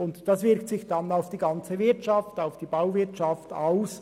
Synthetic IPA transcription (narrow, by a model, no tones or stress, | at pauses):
ʊntd̥ɑsv̥ɪʁktsɪçd̥ɑnaʊfd̥iːɡɑnt͡səvɪɐtt͡ʃɑftaʊfd̥iːbaʊvɪɐtʃɑftaʊs